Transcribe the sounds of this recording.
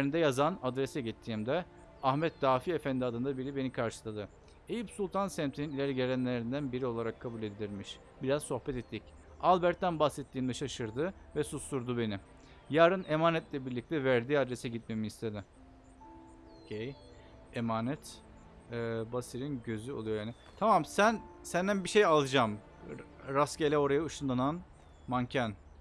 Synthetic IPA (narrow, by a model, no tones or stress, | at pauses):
ɾind̪ɛjazanad̪ɾesɛɟit̪ʰːiːmd̪ɛ | ahmɛt̪̚d̪̥aːfiefænd̪ʲiad̪ɯnd̪abiɾibe̞nikʰaɾʃɯ̥lˠad̪ɯ | ejipsulˠt̪ʰansæmt̪ʰininilʲæɾɟeɾænlʲe̞ɾind̪ænbiɾio̞lˠaɾakʰːabulʲed̪ʲid̪ʲiɾmiʃ | biɾazso̞xpɛt̪ɛt̪ʰːic | alˠbæɾt̪ːænbaxsɛt̪ʰːiːmd̪ɛʃaʃɯɾd̪ɯvɛsusuɾd̪ube̞ni | jaːɾɯnemaːnɛt̪lʲɛbiɾlʲic̚t̪ʰɛvæɾd̪iːad̪ɾesɛɟit̪̚me̞miist̪ʰed̪ɪ | ocʰej | emaːnɛt̪ | ɛbasiɾinɟø̞zyolˠujo̞jaːnɪ | t̪ʰamamsænsænd̪ænbiʃejalˠɯd͡ʒam | ɾascelʲɛo̞ɾajauʃund̪anan | mancʰæn